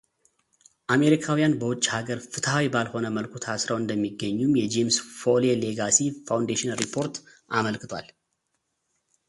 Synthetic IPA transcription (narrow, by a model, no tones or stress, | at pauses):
ʔame̞ɾikʰawijanbəwʊt͡ʃːhaɡəɾfɨt̪ʰɦawibalho̞nəməlkʷʰut̪ʰasɾəwɨnd̪əmːiɡːəɲːumjɛd͡ʒemsfoleleɡasifawnd̪eʃɪnɾipʰo̞ɾt̪ | ʔaməlkɨt̪ʰwa̰l